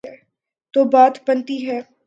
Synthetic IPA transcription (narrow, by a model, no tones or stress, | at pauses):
ɛː | t̪oːbaːt̪bənt̪iɦɛː